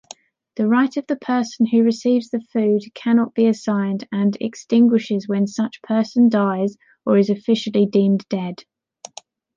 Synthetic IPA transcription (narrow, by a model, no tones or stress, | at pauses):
ðəɹaɪtəvðəpʰɜˑsə̃nʉɹɪsiːvzðəfʉːd̥̚kʰanɒʔb̥iəsãɪ̃ndə̃nɛ̰kstɪ̃ŋɡwɪʃɪzwə̃nsʌt͡ʃpʰɜˑsə̃ndaɪz | əɹɪzəfɪʃəlidĩːmd̥ɛd̥